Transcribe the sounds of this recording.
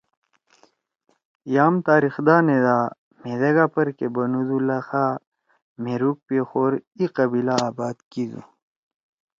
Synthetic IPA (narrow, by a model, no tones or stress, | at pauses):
jaːmt̪aːɾixd̪aːned̪a | med̪ɐɡapɐɾkebɐnud̪ulɐxaː | meɾuk̚pexoːɾiqɐbilaːbaːd̪kid̪ṵ